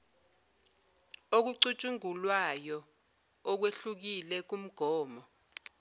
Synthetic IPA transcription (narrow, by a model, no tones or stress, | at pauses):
ok̬uǀut͡ʃʼuŋulwajɔ | ɔk̬weɬuk̬ilɛk̬um̩ɡ̥ʱɔːmɔ